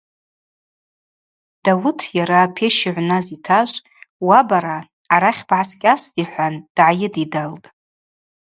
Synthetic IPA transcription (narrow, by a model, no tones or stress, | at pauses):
d̥awʊtʰjaɾaːpʰeʃiʕʷnazitʰaʒʷʼ | wabaɾaː | ɾaχʲbʕaskʲʼasdiħʷand̥ʕajɪdidaltʼ